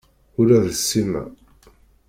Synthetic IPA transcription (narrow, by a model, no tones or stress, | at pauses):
ʊɾæðəsːimæ̰